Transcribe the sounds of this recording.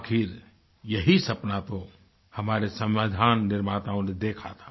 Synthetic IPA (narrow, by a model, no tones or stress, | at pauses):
aːkɪɾ | jɐɦisɐpnat̪o | hɐmaːɾesɐ̃mʋaːd̪ʱaːnːɪɾmaːt̪aõned̪eːkʰat̪ʰḁː